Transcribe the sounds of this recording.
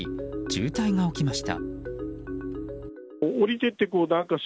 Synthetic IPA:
id͡ʑɨːt̪aiŋao̞kʲimaɕi̥t̪a̰ | oɾʲit̪e̞t̪ːe̞koːnãŋkaɕ

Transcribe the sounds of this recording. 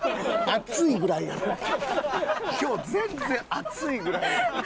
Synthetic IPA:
at͡sɨiɡɯ̟ɾaid̪ao | kʲo̞ːzẽ̞nzẽ̞ɰʔat͡sɨiɡɯ̟ɾai

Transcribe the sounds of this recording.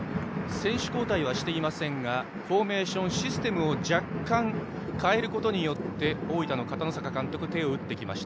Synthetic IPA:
sẽ̞ɰ̃ɕɨ̥ko̞ːt̪aiβ̞aɕi̥t̪e̞imasẽ̞ŋɡa | ɸo̞ːme̞ːɕõ̞ɰ̃ɕisɨ̥t̪e̞mɯ̟o̞d͡ʑakːãŋ | kae̞ɾɯ̟kot̪o̞ɲ̟ijo̞t̪ːe̞o̞ːit̪anokat̪ano̞sakakãnt̪o̞kɯ̟t̪e̞o̞ɯ̟t̪ːe̞kʲima̰ɕi̥t̪a

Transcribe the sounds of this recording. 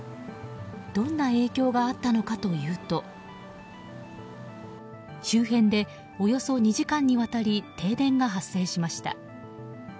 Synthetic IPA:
d̪̥õ̞nːae̞ːkʲo̞ːɡaːt̪ːano̞kat̪o̞jɯ̟ːt̪o̞ | ɕɨːɦẽ̞nd̪e̞ | o̞jo̞so̞ɲ̟iʑikãɲ̟ːiβat̪aɾʲit̪e̞ːd̪ẽ̞ŋɡaɦasːe̞ːɕimaɕi̥t̪a̰

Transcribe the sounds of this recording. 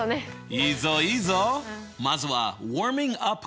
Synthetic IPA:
neizɔizɔ | mazwa̰wɔɹmɪ̃ŋʌp

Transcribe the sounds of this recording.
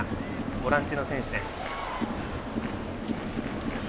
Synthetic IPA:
ɡoɾãɲt͡ɕino̞sẽ̞ɰ̃ɕid̪esɨ̥

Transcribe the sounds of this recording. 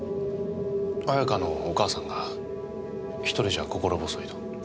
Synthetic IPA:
ajakano̞ːkaːsãŋɡa | çi̥t̪o̞ɾʲiʑako̞ko̞ɾo̞bo̞sɨit̪o̥

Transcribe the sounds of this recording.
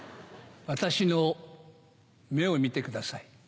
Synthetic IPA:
βat̪aɕino | me̞o̞mʲit̪e̞kɯ̟d̪asai

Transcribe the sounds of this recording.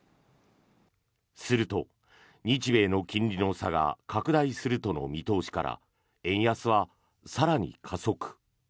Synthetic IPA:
sɨɾɯ̟t̪o̞ | ɲ̟it͡ɕibe̞ːno̞kʲĩɲɾʲino̞saɡa̰kʰakɯ̟d̪aisɨɾɯ̟t̪o̞no̞̰mʲit̪o̞ːɕi̥kaɾʔa̰ | ẽ̞ɰ̃jasɨβa | saɾaɲ̟ḭkʰaso̞kɯ̟̥

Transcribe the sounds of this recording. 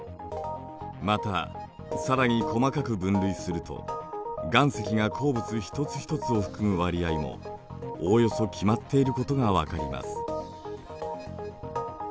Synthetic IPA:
mat̪a | saɾaɲ̟ikʰo̞makakɯ̟bɯ̟̃nɾɯ̟isɨɾɯ̟t̪o̞̰ɡãɰ̃se̞kʲiɡakʰo̞ːbɯ̟t͡sɨçi̥t̪o̞t͡sɨ̥çi̥t̪o̞t͡sɨo̞ɸɯ̟̥kɯ̟mɯ̟βaɾʲiaimo̞̰ | ojo̞so̞kʲʰimat̪ʰːe̞iɾɯ̟ko̞t̪o̞ɡaβakaɾʲima̰sɨ̥

